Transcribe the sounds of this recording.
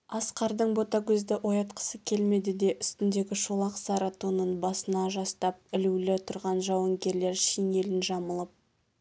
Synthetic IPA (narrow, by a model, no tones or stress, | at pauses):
ɑsqɑɾd̪əɴbo̞t̪ɑɡʲɵzd̪ɪʔo̞jɑt̪qʰə̥səkʲʰe̞lme̞d̪ɪd̪e̞ʔʏst̪ɪnd̪e̞ɡʲɪʃolˠɑqsɑɾɑt̪unənbɑsənɑʒɑst̪ɑp̚ɪlulɪt̪ʰʊɾʁɑnʒɑwɑŋɡʲe̞ɾle̞ɾʃijne̞lɪnʒɑməlˠəp̚